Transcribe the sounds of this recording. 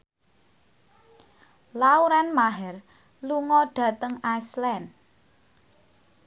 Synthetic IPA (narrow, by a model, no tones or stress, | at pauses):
lauɾanmaɦɛr | luŋɔɖ̥ä̤t̪əŋaslɛn